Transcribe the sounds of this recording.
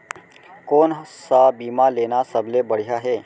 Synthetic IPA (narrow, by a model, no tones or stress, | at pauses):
konsabimaleñasəblebəɽ̤ijaɦe